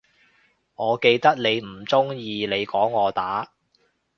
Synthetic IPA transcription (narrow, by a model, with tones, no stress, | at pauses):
ŋɔː˨˧ke˧jt̪ɐ˥k̚ne˨˧jm̩˨˩t͡sʊ˥ŋjiː˧ne˨˧jkɔː˨˥ŋːɔː˨˧t̪aː˨˥